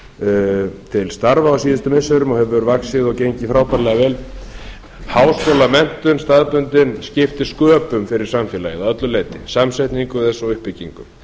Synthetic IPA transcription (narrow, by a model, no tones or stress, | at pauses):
t̪ʰɪlst̪aɾvaawsiːðɪst̪ʏmɪnsœɾʏmɔɣhɦɛvɾvaksɪðɔɣcejɲcɪfɾaːwt̪aɾlɛɣavɛːl | hawskowlamɛn̥t̪ʏnst̪aːðpʏnt̪ɪnscɪft̪ɪ̥skœːpʏmfɪɾɪɾ̥samfɛːlajɪðawœt̪lʏleːjt̪ɪsamsajht̪niŋkʏθɛsːaʏhpɪciŋkʏ̰m